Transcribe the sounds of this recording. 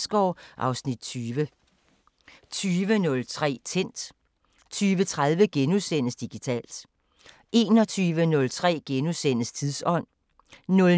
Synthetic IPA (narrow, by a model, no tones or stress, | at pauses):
sɡ̥ɒʊ̰ʔɑ̈ʊsnid̥̚t͡sʰyːʋə | t͡sʰyːʋənɔ̽lt͡sʰʁɛ̰ːt͡sʰen̰d̥ | t͡sʰyːʋət͡sʰʁað̞ˠʋəɡ̥enusen̰əsd̥iɡ̥it͡sʰɛ̰ːld̥ | e̝ːnɒ̽t͡sʰyːʋənɔ̽lt͡sʰʁɛ̰ːɡ̥enusen̰əst͡sʰiðˠsɒ̽n̰ | nɔ̽l